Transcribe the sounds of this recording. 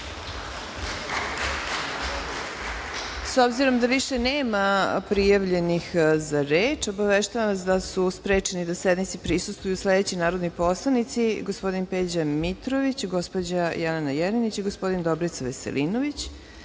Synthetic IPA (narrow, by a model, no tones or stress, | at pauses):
so̞bziɾo̞md̪aʋiʃe̞neːmapɾijaʋʎe̞nixzaɾeːt͡ʃo̞baʋeʃt̪aʋamasd̪asuspɾe̞ːt͡ʃenid̪ased̪mit̪sipɾisust̪vujuslˠed̪et͡ɕinaːɾo̞d̪nojpo̞slˠanit̪siɡo̞spo̞d̪inpeːd͡ʑamit̪ɾoʋit͡ɕɡo̞spo̞d͡ʑajalenajeɾenit͡ɕiɡospo̞d̪ind̪o̞bɾit̪saʋesḛlʔinoʋit͡ɕ